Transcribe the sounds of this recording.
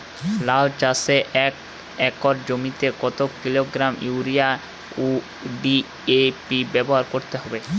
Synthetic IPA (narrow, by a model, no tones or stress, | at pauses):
lawd͡ʑaseʔɛk | ɛkoɾd͡ʑomit̪ekɔt̪okiloɡɾamjuuɾija | u | ɖi | epibɛboɦaɾkoɾt̪eɦɔbe